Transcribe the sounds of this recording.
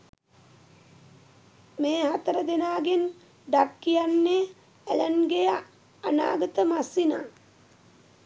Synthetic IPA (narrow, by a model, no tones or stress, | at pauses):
meːhat̪əɾəd̪enaːɡen | ɖakːijanːe | æʎənɡe | ana̰ːɡət̪əmasina̰ː